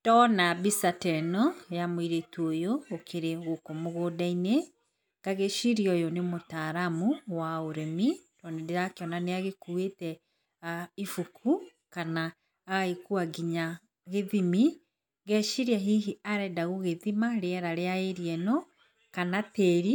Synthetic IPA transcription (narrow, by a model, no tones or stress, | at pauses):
tɔnabisatɛnɔjamwiɾetuojoːkʰeɾeɣokomoɣoːdaine | ɡaɣeʃiɾiɔjonemotaɾamuwaoɾɛmitɔnɛdeakeɔnaneaɣekuetɛ | aifukʰu | kanaː | ikuaɡiɲa | ɣeðimi | ɣɛʃiɾiaɦiɦiaɾɛdaɣoɣeðimaɾeɛɾaɾeaeɾiɛnɔ | kanateɾi